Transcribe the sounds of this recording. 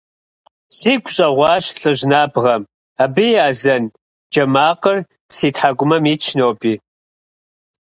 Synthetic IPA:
siːɡʷʰʼɕʼɐʁʷɑːɕɬʼɨʑnaːbʁɐm | abɨjaːzɐn | d͡ʒɐmaːqər | siːtħaɡʷʼʊmɐmiːt͡ʃʰnowpʼiː

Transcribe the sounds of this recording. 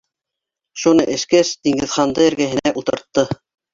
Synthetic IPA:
ʃunɤʔɘ̆ʃkæsd̪iŋɡɘ̆ðχɑnd̪ɤɘ̆ɾɡæɦɘ̆næʔut̪ɤ̆ɾt̪ːɤ

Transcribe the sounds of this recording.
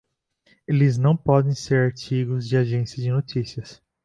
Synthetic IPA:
elɪznɐ̃w̃pɔd̪ẽj̃seɾaɾt͡ʃiɡʊzd͡ʒɪaʒẽsjɐd͡ʒɪnot͡ʃisiɐs

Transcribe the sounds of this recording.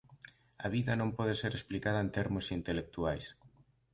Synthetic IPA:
ɐ̰βiðɐnõmpɔð̞eseɾesplikað̞ɐent̪eɾmʊsint̪elek̚t̪uajs

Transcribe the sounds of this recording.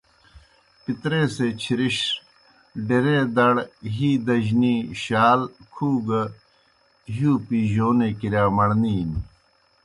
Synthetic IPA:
pit̪ɾeːset͡ɕʰiɾiɕ | ɖeɾed̪ɐɽɦiːd̪ɐʑniɕaːlkʰuːɡɐ | ɦuːpiːʑoːnekiɾjaːmɐɽniːn

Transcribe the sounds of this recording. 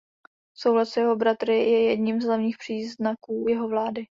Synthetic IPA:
sowɦlat̪sjɛɦo̞bɾat̪ɾɪjɛjɛdɲimzlavɲiːxpr̝̥iːznakuːjɛɦovlaːdɪ

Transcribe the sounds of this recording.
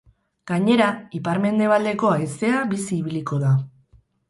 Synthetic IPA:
ɡ̥aɲe̞ɾaipaɾme̞nd̪e̞β̞ald̪e̞ko̞aest̪e̞abisiːβiliko̞ða

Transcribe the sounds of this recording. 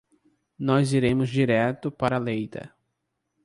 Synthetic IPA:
nɔziɾẽmʊzd͡ʒiɾɛt̪ʊpaɾɐalejt̪ɐ̰

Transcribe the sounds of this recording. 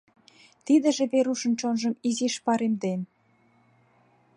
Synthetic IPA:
t̪id̪ə̆ʒĕβeɾuʃə̆nt͡ɕonʒə̆miziʃpɑɾemd̪en

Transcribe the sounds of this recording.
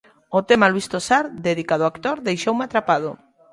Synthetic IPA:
ot̪emalwist̪osaɾd̪eðikaðoakt̪oɾðejʃowmeat̪ɾapað̞o

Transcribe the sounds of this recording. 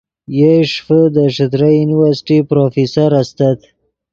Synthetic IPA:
jeʂfəd̪əʂət̪ɾajuniwaɾsɪ̥ʈipɾofisaɾast̪at̪

